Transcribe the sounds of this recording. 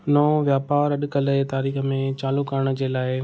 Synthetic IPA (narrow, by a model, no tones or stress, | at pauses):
nɔːʋjaːpaːɾɐɗʊkɐlət̪aːɾiːxəmẽt͡ɕaːlukəɾəɽ̃d͡ʑeːlaːɪ